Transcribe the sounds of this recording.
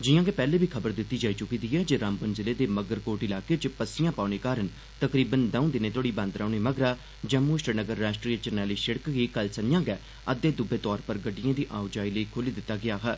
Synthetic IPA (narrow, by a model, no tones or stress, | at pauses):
d͡ʒɪjãːɡeːpɛːleːbʱiːkʰəbəɾd̪ɪt̪ːiːd͡ʒaːiːt͡ʃʊkĩːd̪iːɦɛːd͡ʒeːɾaːmbənzɪleːd̪eːməɡəɾkoːʈɪlaːkeːt͡ʃpəsɪjãːpaːneːkaːɾən | t̪əkɾiːbənd̪əũːd̪ɪneːt̪oːɽiːbə̃nd̪ɾaːneːməɡɾaː | d͡ʒə̃muːʃʈənəɡəɾːaːsʈɾiːət͡ʃəɾnɛːliːʃəɽkɡiːkəlsənɪjãːɡɛː | əd̪ːeːd̪ʊbeːt̪ɔːɾpəɾɡəɖɪjãːd̪iːʔaːʊd͡ʒaːiːləiːkʰoːliːd̪ɪt̪ːaːɡɪaːɦɛː